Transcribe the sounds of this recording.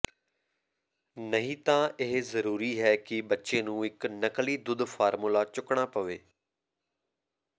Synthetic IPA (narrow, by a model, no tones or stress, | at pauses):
nəɦĩːt̪ãːʔɪɦzəɾuːɾiːɦɛːkɪbətːʃeːnũːɪknəkliːd̪ʊd̪pʰaːɾmulaːt͡ʃʊkɳaːpəʋeː